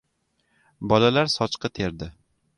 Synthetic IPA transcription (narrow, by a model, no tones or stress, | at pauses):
bɒlalaɾsɒt͡ʃqʰɨt̪ʰe̞ɾd̪ɪ